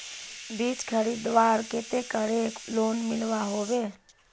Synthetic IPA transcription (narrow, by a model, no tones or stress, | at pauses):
biːt͡ʃkʰəɾiːd̪ʋaːɾket̪ekəɽekloːnmɪlʋaɦoːʋeː